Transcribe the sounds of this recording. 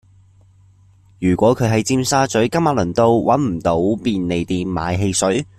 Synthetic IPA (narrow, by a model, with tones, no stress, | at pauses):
jyː˨˩kʷɔː˨˥kʰɵ˨˧ɥɦɐ˨˧jt͡siː˧msaː˥t͡sɵ˨˥ɥkɐ˥maː˨˥lɵ˨˩nt̪o˧wwɐ˨˥nm̩˨˩t̪o˨˥wpiː˧nle˨jt̪iː˨nma̰ː˨˧jɦe˧jsɵ˨˥ɥ